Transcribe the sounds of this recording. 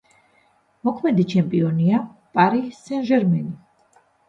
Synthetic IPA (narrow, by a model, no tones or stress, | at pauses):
mɔkʰmɛd̪it͡ʃʰɛmpʼiɔniapʼaɾisɛnʒɛɾmɛni